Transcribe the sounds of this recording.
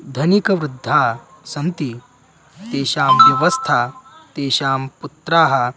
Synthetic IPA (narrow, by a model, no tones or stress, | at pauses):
d̪ʱɐnikɐʋɾud̪ʱːaː | sɐnt̪i | t̪eːʃaːmʋjɐʋɐst̪ʰaːt̪eːʃaːmput̪ɾaːɦɐ̆